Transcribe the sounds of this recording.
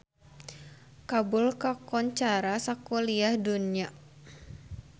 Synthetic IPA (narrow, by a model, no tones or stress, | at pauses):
kabʊlkakɔnt͡ʃaɾasakoliahdunia